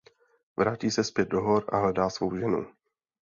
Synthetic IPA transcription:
vɾaːciːsɛspjɛd̪̚doɦoɾʔa̰ɦlɛdaːsvo̞wʒɛnṵ

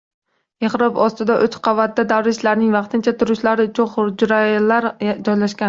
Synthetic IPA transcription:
eχɾɒpɒst̪ɪd̪aʔɵt͡ʃqʰɑvat̪̚d̪ad̪awɾɪʃlaɾnɪŋvɑqt̪ʰɪnt͡ʃʰat̪ʰʊɾʊʃlaɾɪʊt͡ʃʰʊnχʊɾd͡ʒɾallːaɾd͡ʒɒjlaʃkʲan

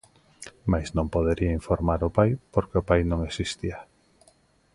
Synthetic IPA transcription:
majsnõmpoðeɾiaiɱfoɾmaɾʊpajpoɾkeʊpajnõŋesist̪ia

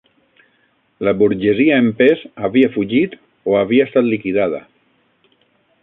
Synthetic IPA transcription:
laβuɾʒeziaempezaβiafuʒit̪ | oaβ̞iaest̪at̪likiðaðə̰

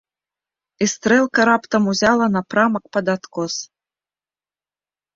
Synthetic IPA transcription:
ist̪ɾɛlˠkɐɾapt̪ɐmuzʲalˠɐnɐpɾamɐkpɐd̪at̪kɔs

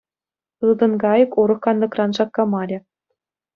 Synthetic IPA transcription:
ɯlˠd̪ɤ̆nɡɑjɤ̆kuɾɤ̆χkɑnlˠɤ̆krɑnʐɑkːɑmɑlʲɘ̆

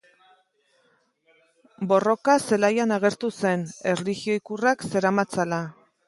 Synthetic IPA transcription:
bo̞ro̞kase̞lajanaɣe̞ɾt̪use̞ne̞rliɣio̞ikurakse̞ɾamat͡sala

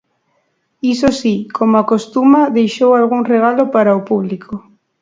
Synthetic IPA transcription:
isosikʰomoakost̪umaðejʃowalɣuŋreɣ̞alopaɾaopuβ̞likʰo

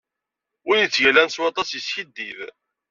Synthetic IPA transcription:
ʊɾjit͡sːʝælænswɑt̪ˤɑsjəsçid̪ːið

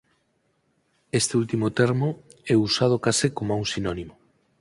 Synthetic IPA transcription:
est̪eult̪imot̪eɾmo | ɛusað̞okasekomauwŋsinonimo

